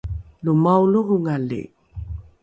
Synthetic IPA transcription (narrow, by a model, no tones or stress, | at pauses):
lumawluɣuŋalḭ